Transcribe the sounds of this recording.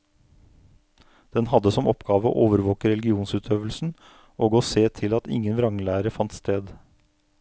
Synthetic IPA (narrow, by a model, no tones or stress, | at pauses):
d̪̥ɛnhɑd̪əsɔmɔpɡɑːʋəo̰ʔoːʋəɾʋoːkəɾɛlɪɡɪuːnsʉːt̪ʰøːʋəlsn̩ | ʔoːɡoːseːt̪ʰɪlɑt̪ɪ̰ŋːənʋɾɑŋlæːɾəfɑnt̪st̪eːd̪